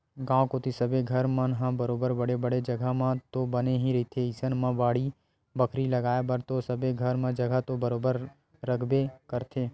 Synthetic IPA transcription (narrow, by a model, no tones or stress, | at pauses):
ɡãːʋkot̪isəbeɡʱəɾmə̃nɦãbəɾoːbəɾbəɽebəɽed͡ʒəɡʱamãt̪obəneɦĩɾɐit̪ʰeisənmãbaːɽi | bəkʰɾiləɡaːebəɾt̪osəbeɡʱəɾmãd͡ʒəɡʱət̪obəɾoːbəɾ | ɾəkʰbekəɾt̪ʰeː